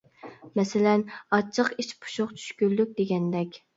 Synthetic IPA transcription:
mɛsɪlɛnɑt͡ʃʰːəqiʃpʰu̥ʃoqt͡ʃʰy̥ʃkʲylːyk̚ʲd̪eɡʲɛnd̪ɛkʲ

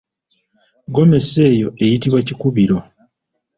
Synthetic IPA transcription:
ɡo̞me̞se̞ːjo̞e̞jitiβwacikuβiɾo̞

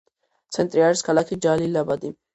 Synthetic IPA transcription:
t͡sʰɛnt̪ʼɾiaɾskʰalakʰid͡ʒalilːabad̪i

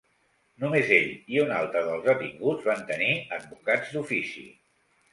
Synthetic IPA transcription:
numezeʎiuna̰lˠt̪ɾəðəlˠzðət̪iŋɡud͡zβant̪əniəd̪̚bukad͡zd̪ufisḭ

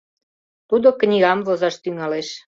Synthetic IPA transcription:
t̪ud̪oknʲiɣɑmvozɑʃt̪yŋɑleʃ

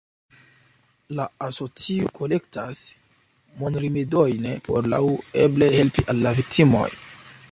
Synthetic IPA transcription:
laaso̞t͡siokʰo̞le̞ktas | monɾimidojnpʰo̞̰ɾla̰weble̞he̞lpiʔalːavik̚timo̞̰j

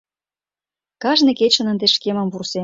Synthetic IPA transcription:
kɑʒnĕket͡ɕə̆nə̆nd̪eʃkemə̆mvurse

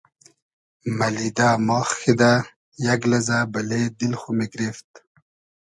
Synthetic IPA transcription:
mɐlid̪amɑːxxid̪a | jɐɡlɐzabɐled̪ilxumeɡɾeft̪̚

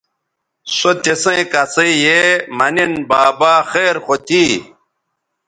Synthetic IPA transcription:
sot̪esẽkasɐijemɐninbaːbaːxeːɾxot̪ʰiː

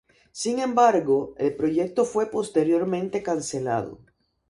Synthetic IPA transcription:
siŋẽ̞mbaɾɣo̞elpɾo̞ʝe̞k̚t̪o̞fwe̞po̞st̪e̞ɾjo̞ɾmẽnt̪e̞kanse̞la̰ðo̞̰

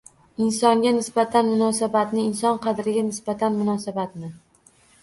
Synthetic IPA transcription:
ɪnsɒŋɡʲanɪsbat̪ʰanmʊnɒsabat̪nɪɪnsɒnqʰɑd̪ɾɪɡʲanɪsbat̪ʰanmʊnɒsabat̪nɪ

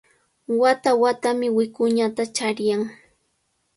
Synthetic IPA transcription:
wat̪awat̪amɪwɪkʊɲat̪at͡ʃaɾjaŋ

